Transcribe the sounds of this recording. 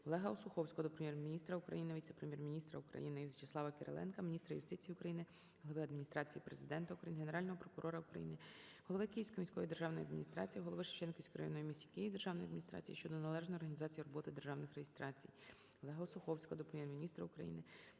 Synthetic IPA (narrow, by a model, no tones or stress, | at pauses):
ɔlˠɛɦɐɔsʊxɔwsʲkɔɔd̪ɔpɾemʲjɛrmʲinʲist̪ɾɐukɾɐ̰jinɪʋʲit̪sepɾemʲjɛrmʲinʲist̪ɾɐʊkɾɐ̰jinɪt͡ʃɪslˠɑʋɐkeɾḛlˠɛ̰nkɐmʲinʲist̪ɾɐjʊst̪ɪt͡sʲijiʊkɾɐjinɪ | ɦɔlˠɔʋɪɐd̪mʲinʲist̪ɾɑt͡sʲijipɾezɪd̪ɛnt̪ɐukɾɐjinɦeneɾɑlʲnɔɦɔpɾɔkʊɾʔɔɾɐukɾɐ̰jinɪ | ɦɔlˠɔʋɪkɪjiwsʲkɔmʲisʲkɔjid̪erʒɑwnɔjɐd̪mʲinʲist̪ɾɑ̰t͡sʲijiɦɔlˠɔʋɪʃɪ̥t͡ʃɛnkɔisʲkɾɐ̰jɔ̰nɔjimʲisʲikʲɪjid̪erʒɑwnɔjɐd̪mʲinʲist̪ɾɑ̰t͡sʲijiʃt͡ʃɔd̪ɔnɐlˠɛʒnɔjɔrɦɐnʲizɑt͡sʲijiɾɔbɔt̪ɪd̪erʒɑwnɪxrejist̪ɾɑt͡sʲḭj | ɔlˠɛɦɐɔsʊxɔwsʲkɔd̪ɔpɾemʲjɛrmʲinʲist̪ɾɐʊkɾɐ̰jḭnɪ